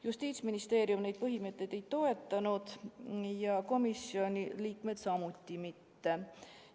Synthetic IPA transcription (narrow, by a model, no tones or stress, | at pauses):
just̪iːt̪sminist̪eːɾjumne̞jd̪̥̚pɤɦimet̪ːˑejd̪̥e̞jt̪o̞e̞t̪ˑːɑnud̪̥jɑko̞misio̞nʲiliːkme̞d̪̥sɑmut̪ʲːimit̪ːe̞